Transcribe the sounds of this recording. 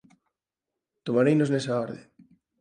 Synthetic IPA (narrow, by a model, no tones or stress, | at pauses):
t̪omaɾejnoznesaɔɾðḛŋ